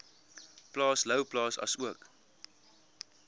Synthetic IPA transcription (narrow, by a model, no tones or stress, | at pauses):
plɑːsləwplɑːsɐ̰suək